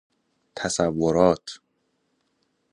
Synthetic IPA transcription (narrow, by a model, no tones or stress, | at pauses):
t̪ʰæsævːoɾɒːt̪ʰ